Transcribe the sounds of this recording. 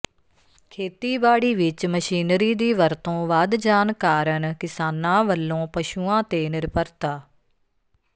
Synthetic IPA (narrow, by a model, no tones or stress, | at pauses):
kʰeːt̪iːbaːɽiːʋɪt͡ʃməʃiːnɾiːd̪iːʋəɾt̪õːʋaːd̪d͡ʒaːnkaːɾəɳkɪsaːnãːʋəlːõːpəʃuːãːt̪eːnɪɾpəɾt̪aː